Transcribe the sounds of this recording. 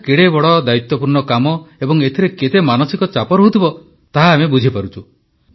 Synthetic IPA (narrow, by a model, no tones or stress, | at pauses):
keɽebɔɭɔd̪ait̪wɔpuɾɳɔkamɔebɔŋet̪ʰiɾeket̪emanɔsikɔt͡ʃapɔɾoɦut̪ʰibɔ | t̪aɦaːmebud͡ʒʱipaɾut͡ʃʰu